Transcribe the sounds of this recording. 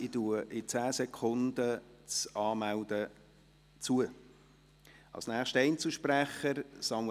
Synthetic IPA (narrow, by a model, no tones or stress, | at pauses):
ituəʔɪt͡sæːsɛkʰʊnd̪ət͡sɑːmæwd̥̪ə | t͡suə | ɑ̰lsnæːχʃtəɛɪnt͡suʃpræχəɾsɑm